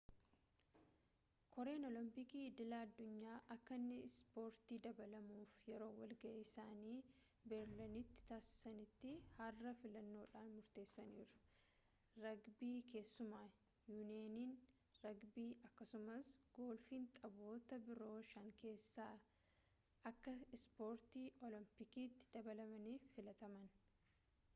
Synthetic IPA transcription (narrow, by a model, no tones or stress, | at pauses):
kʰɔɾe̞ːnɔlɪmpɪkiːɪd̪ɪlaːɐd̪ːʊɲːaːʔɐkːɐnːɪspo̞ːɾt̪iːd̪ɐbɐlɐmuːfjɛɾo̞ːwɐlɡɐʔɛɪsaːniː | bɛɾlɐnɪt̪ːɪ̥t̪aːsɪ̥sɐnɪt̪ːɪhɐrːɐfɪlɐnːo̞ːᶑaːnmʊɾt̪eːsːɐnḭːɾʊ̥ | ɾɐɡbiːke̞ːsːʊmaː | juːneːniːn | ɾɐɡbiːʔɐkːɐsʊmɐsɡ̥o̞ːlfiːnt̪ʼɐbo̞ːt̪ɐbɪɾo̞ːʃɐŋke̞ːsːaː | ʔɐkːɐɪspo̞ːɾt̪iːʔɔlɪmpɪkiːt̪ːɪ̥d̪̥ɐbɐlɐmɐniːfːɪlɐt̪ɐmɐn